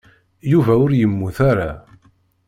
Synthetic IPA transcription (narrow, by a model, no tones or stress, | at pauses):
juvæʊɾjəmːuθaɾa